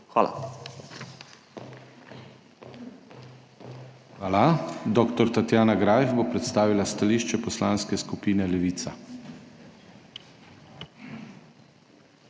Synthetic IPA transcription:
xʋaːla̰ | xʋaːlad̪ɔkt̪ɔɾt̪at̪jaːnaɡɾaːjvbopɾɛt̪st̪aːʋilast̪aliːʃt͡ʃɛpɔslaːnskɛskupiːnɛlɛʋiːt̪sa

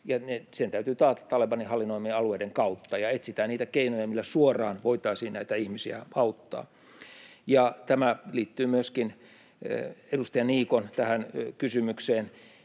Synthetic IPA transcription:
jɑnesent̪æyt̪yːt̪ɑːt̪ɑ̥t̪ːɑlepɑnihɑlːinoimieɑlueˑideŋkɑut̪ːɑjɑet̪sit̪æːnniːt̪ækeinojɑmilːæsuorˑɑːnʋoit̪ɑisiːnæit̪æihmisiæɑut̪ːɑ̰ː | jɑt̪æmæliːt̪ːyːmyøskin | edust̪ɑjɑniːkont̪æhænkysymykseːn

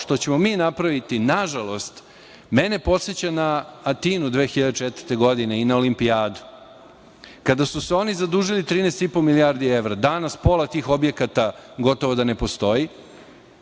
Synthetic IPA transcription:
ʂt̪o̞t͡ɕe̞mo̞miːnapɾaʋit̪inaʒalˠo̞st̪ | me̞ne̞po̞t̪set͡ɕanaːt̪inud̪ʋeːxiʎad̪et͡ʂet̪vəɾt̪e̞ɡo̞d̪ineinaolimpiaːd̪u | kad̪asuseo̞nizad̪uːʒilit̪ɾiːnest̪ipo̞miliaɾd̪ieʋɾad̪anaspo̞lˠat̪iːxo̞bje̞kat̪aɡo̞t̪o̞ʋod̪ane̞po̞st̪o̞ji

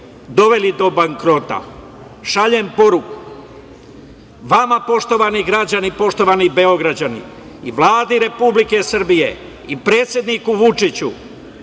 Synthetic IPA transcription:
d̪o̞ʋe̞lid̪o̞baŋkɾo̞t̪a̰ | ʃaʎempo̞ɾuku̥ | ʋamapo̞ʃt̪o̞ʋaniɡɾad͡ʑanipo̞ʃt̪o̞ʋanibe̞o̞ɡɾad͡ʑanḭ | iʋlˠaːd̪iɾe̞publike̞sr̩bije̞̰ | ipɾe̞ːt̪sʲjed̪nikuʋut͡ʂit͡ɕu

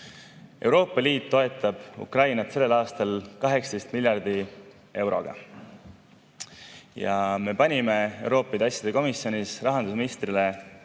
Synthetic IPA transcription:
ʔe̞̰wɾo̞ːpːˑɑliːt̪ːo̞e̞t̪ːˑɑb̥ṵkrɑjnɑt̪se̞lːe̞lɑːst̪ɑlkɑɦe̞kst̪e̞jst̪milʲjɑrd̪̥i | e̞wɾo̞̰ɡ̥ɑ̰ | jɑ̰me̞pɑnʲime̞e̞wɾo̞ːpːˑɑit̪ɑsʲjɑd̪e̞ko̞misːjo̞nʲisrɑɦɑnd̪us̬minist̪rile

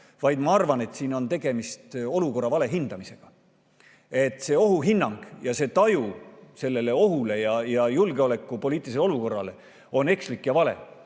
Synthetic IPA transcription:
vɑjd̪̥mɑɑrvɑne̞t̪ːsiːno̞nt̪e̞ɡ̥e̞mist̪o̞luko̞rːɑvɑle̞ɦind̪̥ɑmise̞ɡ̥ɑ | e̞t̪ːˑse̞ːo̞ɦuɦinːɑŋɡ̥jɑse̞ːt̪ɑjuse̞lːe̞le̞o̞ɦule̞jɑjɑjulɡ̥e̞o̞le̞kːˑupo̞lʲiːt̪iliselo̞luko̞rːɑ̰le | o̞ne̞kslikːjɑvɑle̞̰

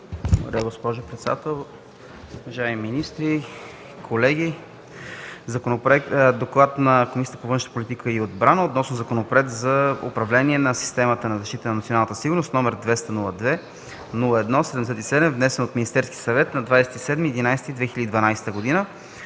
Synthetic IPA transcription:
ovdɾəɾaɡospɔʒʊpɾɛt̪sɛd̪at̪ɛlˠ | ʊvɐʒaɛmiminist̪ɾi | kʰolɛɡʲi | zɐkonopɾɛkt̪d̪oklˠat̪nɐkomisijət̪əpovɤnʃnəpolit̪ikəiod̪bɾanəot̪nɔsnozɐkonopoɾɛt̪zɐo̰pɾɐvlɛniɛnɐsi̥st̪ɛmət̪ənɐzɐʃt̪it̪ənɐnt̪sionanət̪ə̥siɡʊɾnost̪nɔmɛɾd̪vɛst̪ənulˠəd̪vɛ | nulˠəɛd̪nɔsɛd̪ɛmd̪sɛt̪isɛd̪ɛmvnɛsɛnot̪minist̪ɛɾskʲi̥sɐvɛt̪nɐd̪vajsɛ̥t̪isɛd̪miɛd̪inajsɛt̪id̪vɛxilʲəd̪id̪vɐnajsɛ̥t̪əɡod̪inə

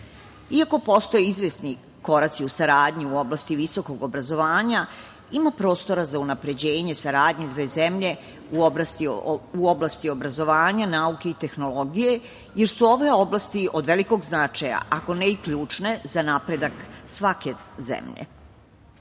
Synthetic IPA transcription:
iako̞po̞st̪o̞jeizʋesni | ko̞ɾat̪siusaɾaːd̪ɲiuo̞blast̪iʋiso̞ko̞ɡo̞bɾazo̞ʋaːɲa | imapɾo̞ːst̪o̞ɾazaunapɾe̞d͡ʑe̞ːɲe̞saɾaːd̪ɲed̪ʋe̞ːzemʎe̞ | uobasiuoblˠast̪io̞bɾazo̞ʋaːɲanauke̞it̪e̞xno̞lo̞ɡije̞ | je̞ɾsuo̞ʋe̞o̞blast̪iʔod̪ʋe̞liko̞ɡznat͡ʃaja̰ʔako̞neikʎuːt͡ʂne̞zanapɾe̞d̪aksʋake̞zḛmʎḛ

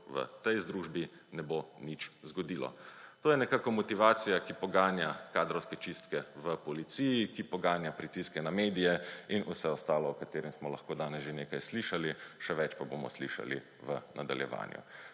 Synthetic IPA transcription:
ʋə̰t̪ɛjzd̪ɾuːʒbi | nɛbonit͡ʃzɡɔd̪iːlɔ̰t̪oːjɛnɛkaːkɔmɔt̪iʋaːt̪sijakipɔɡaːnjakaːd̪ɾɔwskɛt͡ʃist̪kɛʋəpɔlit̪sijikipɔɡaːnjapɾit̪iskɛnameːd̪ijɛinusɛɔst̪aːlɔɔkat̪eːɾɛmsmɔla̰xkoːd̪aːnɛsʒeneːkajsliʃaliʃɛʋɛt͡ʃpabomɔ̰sliʃa̰lḭ | ʋənʔa̰d̪a̰ljɛ̰ʋa̰ːnjṵ

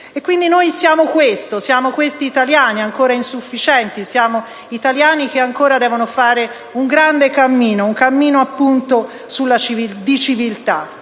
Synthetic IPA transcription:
ekːwind̪inojsjaːmokwest̪osjaːmokwest̪iːt̪aljaːniaŋkoːɾainsufːit͡ʃɛnt̪isjaːmo | it̪aljaːnik̟eaŋkoːɾad̪ɛːvonofaːɾe | uŋɡɾand̪ekamːiːnouŋkamːiːnoapːunt̪o | sulːat͡ʃivid̪it͡ʃivilt̪a

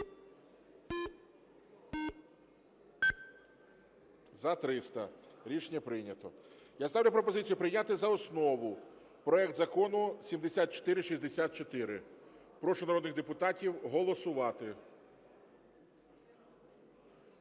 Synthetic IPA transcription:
zɐt̪ɾɪst̪ɐɾʲit͡ʃnʲɐpɾɪjnʲɐt̪ɔ̰ | jast̪ɑwlʲʊpɾɔpɔzɪt͡sʲijʊpɾɪjnʲat̪ɪzɐɔsnɔʋʊ | pɾɔɛkt̪zɐkɔnʊsʲimd̪esʲat̪̚t͡ʃɔ̥t̪ɪɾɪʃizʲd̪esʲat̪̚t͡ʃɔt̪ɪɾɪ | pɾɔʃʊnɐɾɔd̪nɪɣd̪epʊt̪ɑtʲiwɦɔlˠɔsʊʋɑt̪ɪ

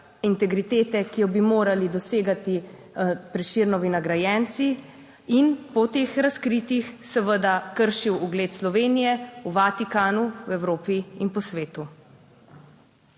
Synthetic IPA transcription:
int̪ɛɡɾit̪eːt̪ɛkijɔbimoːɾalid̪ɔseːɡat̪i | pɾɛʃiːɾnɔʋinaɡɾajɛnt̪si | inpɔt̪eːxɾaskɾit̪ixsɛʋəd̪akəɾʃiwuɡleːt̪slɔʋeːnijɛuʋat̪ikaːnuwɛwɾoːpiinpɔsʋeːt̪u

